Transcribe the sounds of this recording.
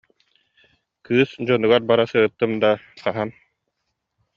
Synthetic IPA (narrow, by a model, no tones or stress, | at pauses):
kɯːsd͡ʑɔnuɡaɾbaɾasɯɯt̪ːɯmd̪aqaɦan